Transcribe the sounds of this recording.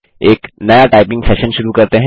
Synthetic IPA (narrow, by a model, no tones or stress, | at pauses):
eːknɐjaʈaːɪpɪ̃ŋɡsɛːʃə̃nʃʊɾukɐɾt̪eɦɛ̃